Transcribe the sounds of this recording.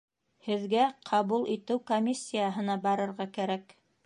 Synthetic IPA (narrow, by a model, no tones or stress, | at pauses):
hɘ̆ðɡæqʰɑβulˠʔit̪ɘwkomʲisʲːijaɦɤ̆nɑbɑɾɤ̆ɾʁɑkæɾæk